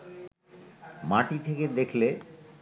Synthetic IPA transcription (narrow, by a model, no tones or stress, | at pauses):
maʈit̪ʰeked̪ekʰle